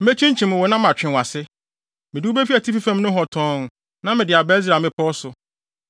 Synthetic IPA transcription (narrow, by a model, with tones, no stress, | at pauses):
m̩˦e˦t͡ɕʰĩ˦ɲ˦t͡ɕʰĩ˨mʊ̃˨wɔ˨nã˦m˦ã˨t͡ɕᶣɪ̃˨wa˨sɪ˦ | mɪ̃˨dɪ˦u˦be˦fi˦a˨tʰi˦fi˦fã˦mnʊ̃˦ɦɔ˨tʰɔ̃˦n˨ | nã˦mɪ̃˨dɪ˨a˨bɛ˦z̬a˨mɪ̃˦pʰɔ˦sʊ˨